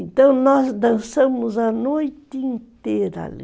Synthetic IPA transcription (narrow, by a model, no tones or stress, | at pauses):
nt̪ɐ̃w̃nɔzd̪ɐ̃sɐ̃mʊzɐnojt̪ɪĩnt̪eɾɐa̰lḭ